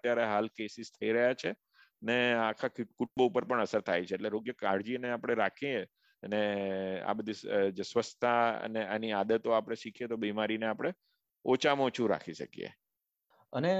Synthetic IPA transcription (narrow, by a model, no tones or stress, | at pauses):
ət̪jaɾeɦalkesist̪ʰəiɾəɦjat͡ʃʰe | əneakʰakuʈ̚boupəɾpəɳəsəɾt̪ʰajt͡ʃʰeːʈleɾoɡjəkaɽd͡ʒineapɽ̃eɾakʰie | ənea̰bəd̪ʱid͡ʒesʋəst̪ʰaə̰nea̰niad̪ət̪oapəɽ̃eʃikʰijet̪obimaɾineapɽ̃e | ot͡ʃamot͡ʃʰũɾa̰kʰiʃə̰kijḛ | əne